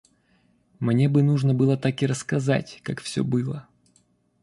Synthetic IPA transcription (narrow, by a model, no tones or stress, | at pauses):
mnʲe̞bɨnuʐnəbɨlˠət̪akɪɾəskɐza̰tʲkakfsʲɵ̰bɨlˠə